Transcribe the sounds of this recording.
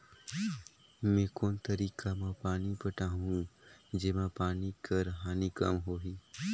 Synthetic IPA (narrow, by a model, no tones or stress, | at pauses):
mẽːkoːnt̪əɾiːkamãpaːnipəʈaɦũd͡ʒeːmãpaːnikəɾɦaːnikəmɦoːɦiː